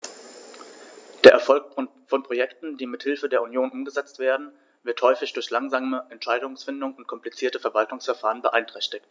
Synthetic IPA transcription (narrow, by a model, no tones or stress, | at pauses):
d̥eːɐʔɛɐfɔlk̚ | fɔnpʁ̥ojɛktn̩diːmɪthɪlfədeːɐunjoːnʔʊmɡəzɛt͡stv̥eːɐdn̩ | vɪɐthɔʏfɪçd̥ʊɐçlaŋzaːməʔɛntʃaɪdʊŋsfɪndʊŋʊnt̚kʰɔmplit͡siːɐtəfɛɐvaltʊŋsfɛɐfaːʁ̞ənbəʔaɪntʁ̥ɛçtɪkt